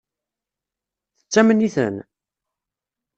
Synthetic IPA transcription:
θə̥t͡sːæmənːiθə̰n

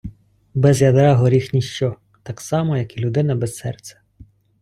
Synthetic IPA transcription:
bɛzjɐd̪ɾɑɦɔɾʲixnʲiʃt͡ʃɔ | t̪ɑksɑmɔjɐkilʲʊd̪ɪnɐbɛsːɛ̰rt̪sʲɛ̥

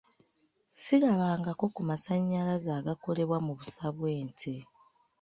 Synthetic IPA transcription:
siɾaβaːŋɡako̞kumasaɲːalazaːɡako̞le̞βwamuβusaβwe̞ːntʰe

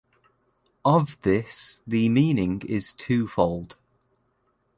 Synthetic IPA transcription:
əvðɪsðəmĩːnɪ̃ŋɪz̥tʰʉːfɒʊlˠd̥

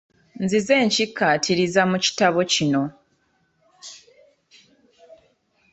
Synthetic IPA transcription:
nzize̞ːɲcikːatʰiɾizamuci̥taβo̞cino̞

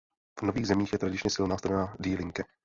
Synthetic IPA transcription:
vno̞viːɣzɛmiːxjɛt̪ɾadɪt͡ʃɲɛsɪlnaːst̪aɾɛnaːdiːlɪŋkɛ

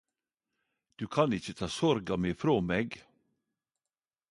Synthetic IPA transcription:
d̪̥ʉːkʰɑnɪçət̪ʰɑːsɔɾɡɑmeːfɾoːmeːɡ

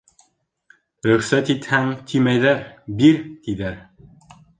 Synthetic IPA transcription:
ɾɵ̆χsæt̪it̪hæŋt̪ʰimæjðæɾbiɾt̪iðæɾ

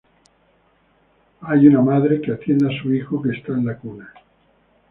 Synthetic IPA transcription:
ajunamaðɾe̞keat̪je̞nd̪asuixokeːst̪aenlakuna

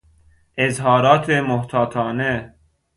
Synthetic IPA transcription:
ʔezɦɒːɾɒːt̪ʰemoht̪ʰɒːt̪ʰɒːne

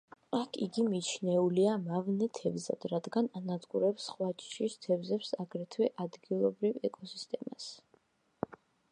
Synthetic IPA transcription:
akʰḭɡimit͡ʃʰnɛuliamavnɛt̪ʰɛvza̰d̪̥ɾad̪ɡananad̪ɡʼuɾɛpsχwat͡ʃʼʃist̪ʰɛvzɛpsaɡɾɛt̪ʰwɛʔad̪ɡilˠɔbɾivɛkʼɔsist̪ʼɛma̰s

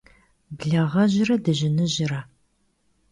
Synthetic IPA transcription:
bɮɐʁɐʑɪrɐdɨʑɪnɨʑɪɾɐ

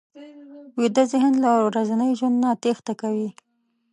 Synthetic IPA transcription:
wid̪əzɪɦɪnd̪laɾazanəjʒwand̪nat̪ext̪akawi

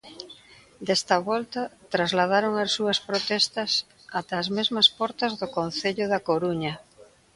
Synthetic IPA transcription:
d̪ɛst̪ɐβɔlt̪ɐt̪ɾazlað̞aɾoŋasuɐspɾot̪ɛst̪ɐs | at̪aːzmezmɐspɔɾt̪ɐzðʊkon̟θeʎʊðakoɾuɲɐ

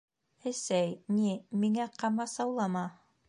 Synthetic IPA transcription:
ɘ̆sæjnimiŋæqɑmɑsɑwlˠɑmɑ

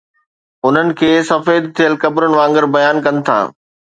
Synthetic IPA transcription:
ʊn̤ənɪ̆kʰeːsɐfeːd̪̚t̪ʰijəlkɐbɾənɪ̆ʋãːŋɡəɾbɐjaːnkɐ̃n̆t̪ʰa̰ː

